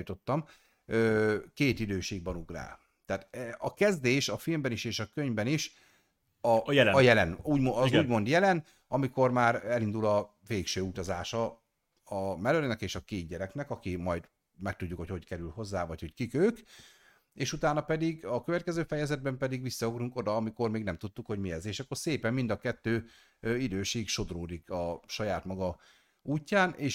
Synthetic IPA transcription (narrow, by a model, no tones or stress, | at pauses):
t̪o̞t̪ːɒm | øːkeːt̪id̪øːʃeːɡ̚bɒnuɡra̰ː | t̪ɛːt̪ɛɒkɛzd̪eːʃɒfilmbɛniʃeːʃɒkøɲbɛniʃ | ɒjɒjɛlɛnuːɟmoɒzːɟmo̞nd̪jɛlɛn | ɒmiko̞rmaːɾɛlind̪ulɒ | veːkʃøːut̪ɒzaːʃɒ | ɒmɛløɾnɛkeːʃɒkeːd̪̚ɟɛɾɛknɛkɒkimɒjd̪ | mɛk̚t̪uɟːukho̞cho̞ckɛɾylho̞zːaːvɒcho̞ckikøːk | eːʃut̪aːnɒpɛd̪iɡɒkøvɛt̪̚kɛzøːfɛjɛzɛd̪̚bɛmpɛd̪iɡʋisːɒoɡɾuŋko̞d̪ɒːmiko̞rmeːɡnɛmt̪ut̪ːukho̞ɟmiɛzeːʃɒkːo̞rseːpɛmːind̪ɒkɛt̪ːøː | øid̪øːʃeːkʃo̞d̪roːd̪ikɒʃɒjaːt̪mɒɡɒ | uːcːaːnʔeːʃ